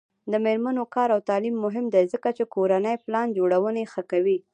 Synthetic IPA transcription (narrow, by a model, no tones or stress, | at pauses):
d̪əmeɾmanokɑɾawt̪ɑlimːʊɦɪmd̪ajzəkat͡ʃekoɾanəjplɑnd͡ʒoɽawənexəkawi